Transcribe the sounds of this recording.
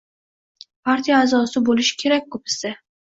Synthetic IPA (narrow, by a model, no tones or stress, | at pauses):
pʰaɾt̪ʰijaːzɒsɪbolɪʃɪ̥kʲʰe̞ɾak̚ʲkʰːɵpɪ̥sa